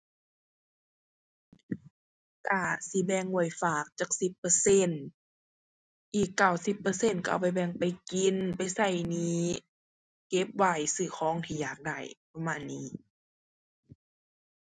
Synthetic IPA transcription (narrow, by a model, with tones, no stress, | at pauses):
kaː˧˩si˧˦bɛ˧˨ŋwɔ˧˩˨jfaː˨˩k̚t͡ɕaː˧˩k̚si˧˦pːɤ˧˦se˧˥˨n | ʔiː˨˩kːa˧˩wsi˧˦pːɤː˧se˧˥˨nka̰˧˨˧wpa˧˨jbɛ˧˩˨ŋpa˨jki˧npa˧˨jsa˧˩jniː˧˥ | ke˧˦p̚wa˧˩jsɯː˧˩xʰɔː˧˥˨ŋt̪ʰiː˧jaː˨˩k̚da˧˩jpa˧maː˧˨nːiː˧˥˨